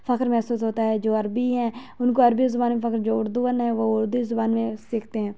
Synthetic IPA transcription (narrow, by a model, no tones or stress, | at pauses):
fəkɾmɛɦsuːsɦoːt̪aɦɛd͡ʒoːɐɾbiɦɛ̃ːʊnkoɐɾbizʊbaːnmẽfʰəkɾd͡ʒoːʊɾd̪uʋənɦɛʋoʊɾd̪uizʊbaːnmẽsɪkʰt̪eɦɛ̃ː